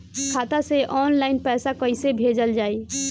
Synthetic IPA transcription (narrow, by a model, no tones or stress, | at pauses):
kʰat̪aseʔɔnlaɪinpɛsakəɪsebʱed͡ʒəld͡ʒaːi